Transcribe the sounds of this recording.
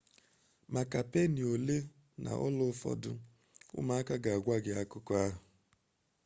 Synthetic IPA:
ma˨ka˨pe˦ni˨o˨le˦ | na̰˨ʔɔ̰˦lʊ˦fɔ̰˨dʊ̰˦ | ʊ̰˦ma˦a˦ka˦ɡa˨a˨ɡʷa˦ɡɪ˦a˦kʊ˦kɔ˦a˦ɦʊ˨

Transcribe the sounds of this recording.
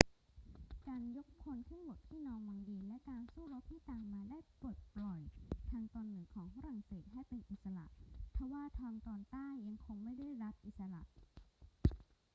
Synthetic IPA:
kaː˧njo˦˥k̚kʰo˧nk̪ʰɯ˥˩ŋbo˨˩t̪ʰːiː˥˩nɔː˦˥ŋmaː˧ŋdiː˧nlɛ˦˥kaː˧nsuː˥˩ɾo˦˥p̚t̪ʰiː˥˩t̪aː˨˩ŋmaː˧daː˥˩jpo˨˩t̪̚plɔ˨˩jt̪ʰaː˧ŋt̪ɔː˧nːɯ˩˦kʰɔː˩˦ŋfa˧˥ɾa˨˩ŋseː˨˩t̪̚hɦa˥˩jpe˧nʔi˨˩t̪̚sa˧la̰˨˩ʔp̪ʰɛ˧˩waː˥˩t̪ʰɔː˧ŋt̪ɔː˧nt̪aː˥˩jːa˧ŋkʰo˧ŋma˥˩jda˥˩˨jɾa˦˥p̚ʔi˨˩t̪̚sa˧la̰˨˩ʔ

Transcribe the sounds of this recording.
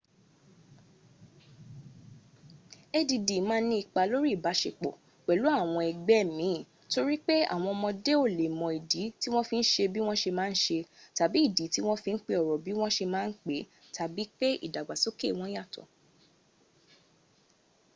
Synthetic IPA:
e˦di˧di˨mãː˦nĩ˦i˧˨k͡pa˧lo˦ɾi˦˨ba˨˦ʃe˧k͡pɔ̰˨ | k͡pɛ˨lu˨˦a˦˨w̃ɔ̃˧ɛ˨ɡ͡bɛ˦˨mĩ˨˦˨ | to˧ɾi˦k͡pe˦a̰˦˨w̃ɔ̃˧ɔ˧mɔ̃˧de˦o˦˨le˨mɔ̃˨i˨di˨˦ti˦w̃ɔ̃˦fĩ˧n̩˦ʃe˧bi˦w̃ɔ̃˦ʃe˧mãː˦˧n̩˦ʃe˧ta˨bi˨˦i˦˨di˨˦ti˦w̃ɔ̃˦fĩ˧n̩˦k͡pe˧ɔ˨ɾɔ˨bi˨˦w̃ɔ̃˦ʃe˧mãː˦n̩˦k͡pe˨˦ | tʰa˨bi˨˦k͡pe˦ḭ˦˨da˨ɡ͡ba˨so˦ke˦˨w̃ɔ̃˦ja˦˨tɔ̰˨

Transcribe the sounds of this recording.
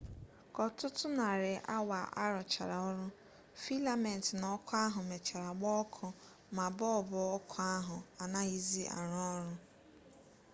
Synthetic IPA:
kɔ˨tʊ˦tʊ˦na˨ɾɪ˨ʔa̰˦wa˨ʔa˦ɾɔ˨t͡ʃa̰˨ɾa˨ɔ˦ɾʊ˦ | fi˦la˨me˨n̩˨tɪ˨nɔ˨˦kʊ˦a˦ɦʊ˨me˨t͡ʃa˨ɾa˨ɡ͡bɔ˦kʰʊ˦ | ma˨bɔ˦ɔ˨bʊ˨ɔ˦kʰʊ˨˦a˦ɦʊ˨a˨na˦i˦zi˦ʔa̰˨ɾɔ˦ɾʊ˦

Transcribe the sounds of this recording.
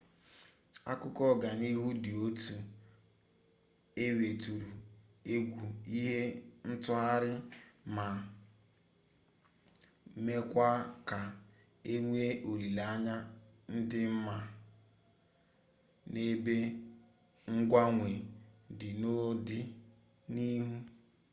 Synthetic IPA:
a̰˦kʊ˦kɔ˦˨ɡa˨ni˦ɦu˦dɪ˨o˦tu˨ | e˦we˨tu˨ɾu˨ | e˦ɡʷu˨i˦ɦe˦n̩˦tʊ˦ɦa˦ɾɪ˦ma˨˦ | me˦kʷa˦ka˨ | e˦ŋʷ˦e˦ʔo˨ɾi˨la˦ɲa˦n̩˦dɪ˦m̩˦ma˨ | ne˦be˦ | ŋ̩˦ɡʷa˦ŋʷe˨dɪ˨no˦dɪ˦ | ni˦ɦu˦

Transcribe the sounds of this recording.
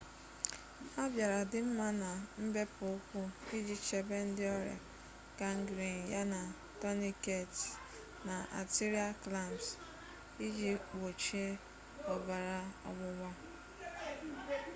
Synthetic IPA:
a˦bja˨ɾa˨dɪ˨m̩˦ma˦na˨m̩˦be˦pʊ˨ʊ˦kʷʊ˦i˦d͡ʒi˦t͡ʃe˨be˦n̩˦dɪ˦ɔ˦ɾḛ˨ | ka˦ŋ̩˦ɡɾi˨n˨ja˦na˨ | tɔ˦ni˦ke˦˨t | na˨ʔa̰˨ti˦ɾi˦a˦kla˦˨ms | i˦d͡ʒi˦wo˨t͡ʃi˦e˦ | ɔ˨ba˨ɾa˦ɔ̰˨ɡ͡bʊ˦wa˦

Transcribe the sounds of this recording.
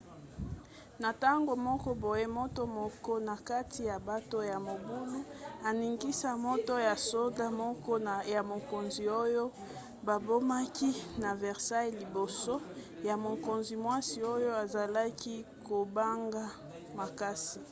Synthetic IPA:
na˨ta˦ŋɡo˨mɔ˦kɔ˦bo˨je˦mo˦to˦mɔ˦kɔ˦na˨ka˦ti˨ja˨ba˦to˦ja˨mo˨bu˦nu˦a˨ni˨ŋɡi˦sa˦mo˦to˦ja˨so˦da˦mɔ˦kɔ˦ja˨mo˨ko˨nzi˨o˦jo˦ | ba˨bo˦ma˦ki˦na˨vɛ˨ʁsa˦jli˨bo˨so˦ | ja˨mo˨ko˨nzi˨mwa˦si˨o˦jo˦a˨za˨la˦ki˦ko˨ba˦ŋɡa˦ | ma˨ka˦si˨

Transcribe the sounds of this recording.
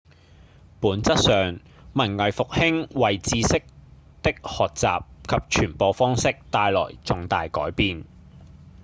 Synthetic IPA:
puː˨˥nt͡sɐ˥t̚sœː˨ŋ | mɐ˨˩nŋɐ˨jfʊ˨k̚hɪ˥ŋwɐ˨jt͡siː˨˧sɪ˥k̚ | t̪ɪ˥k̚hɔː˨k̚t͡sa̰ː˨p̚kʰɐ˨p̚t͡ʃʰyː˨˩npoː˨˧wfɔː˥ŋsɪ˥k̚t̪aː˧jlɔ̰ː˨˩jt͡sʊ˨ŋt̪aː˨jkɔ̰ː˨˥jpiː˨n

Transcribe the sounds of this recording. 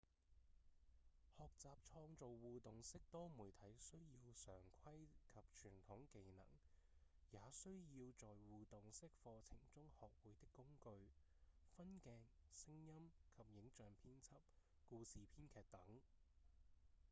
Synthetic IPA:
hɔː˨k̚t͡saː˨p̚t͡ʃʰɔː˧ŋt͡so˨wwuː˨t̪ʊ˨ŋsɪ˥k̚t̪ɔː˥muː˨˩jt̪ʰɐ˨˥jsɵ˥ɥjiː˧wsœː˨˩ŋkʷʰɐ˥jkʰɐ˨p̚t͡ʃʰyː˨˩nt̪ʰʊ˨˥ŋke˨˧jnɐ̰˨˩ŋjaː˨˧sɵ˥ɥjiː˧wt͡sɔː˨jwuː˨t̪ʊ˨ŋsɪ˥k̚fɔː˧t͡sʰɪ˨˩ŋt͡sʊ˥ŋhɔː˨k̚wuː˨˧˥jt̪ɪ˥kːʊ˥ŋkɵ˧ɥ | fɐ˥nkɛː˧ŋsɪ˥ŋjɐ˥mkʰɐ˨p̚jɪ˨˥ŋt͡ʃœː˨ŋpʰiː˥nt͡sʰɐ˥p̚ | kuː˧siː˨pʰiː˥nkʰɛː˨˧k̚t̪ɐ˨˥ŋ

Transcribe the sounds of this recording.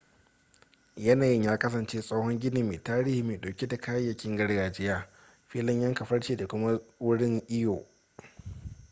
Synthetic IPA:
jɐ˦naː˨jɪ˦ɲjaː˦kɐ˦sɐ˨nt͡ʃeː˦sʼa˦whɔ˦ŋɡʲɪ˦niː˨meː˨taː˦ɾiː˦hiː˨meː˨ɗoː˨kʲi˦da˨kʰaː˦jːɐ˨kʲɪ˦ŋɡɐ˦ɽɡaː˨d͡ʒɪ˦jaː˦ | ɸiː˦lɪ˦ɲjɐ˦ŋkɐ˨ɸɐ˦ɽt͡ʃeː˨da˨kʷʊ˦ma˦wʊ˦ɽɪ˦ŋʔɪ˦joː˨

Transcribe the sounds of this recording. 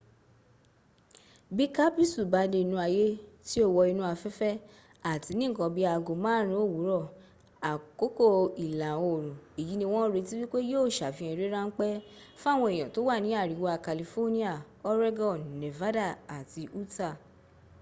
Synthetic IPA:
bi˦ka˦pi˦su˨ba˨˦de˧i˧nũ˧a˧je˦ti˦o˦˨wɔ˧i˧nũ˦a˧fɛ˦fɛ˦ | a˨ti˨˧˦nĩ˦˨kɔ̃˧bi˦a˧ɡo˨mãː˦ɾ̃ĩ˧˦o˦˨wu˨˦ɾɔ˦˨ | a˨ko˨˦ko˦˨i˨la˨o˨ɾ̃ũ˨i˨ji˨˦nĩ˧w̃ɔ̃˦ɾe˧ti˦wi˦k͡pe˦jo˦˨ʃa˨fĩ˨˧˦ĩ˧˨ɾe˦ɾã˦ŋ̩˦k͡pɛ˦fa˦˨w̃ɔ̃˧e˨j̃ɔ̃˨to˨˦wa˦˨nĩ˨˦a˦˨ɾi˨˦wa˧ka˨li˧fo˦nĩ˦a˦˨ | ɔ˦ɾe˦ɡɔ˦˨n˨ne˨va˨˦da˦˨a˨ti˧ʔu˦ta˦˨

